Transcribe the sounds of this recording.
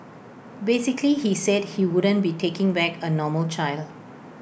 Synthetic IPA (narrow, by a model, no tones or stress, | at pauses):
besɪklihisɛd̚hiwʊdə̃nbitʰekɪ̃ŋbɛkənɔməlt͡ʃaɪld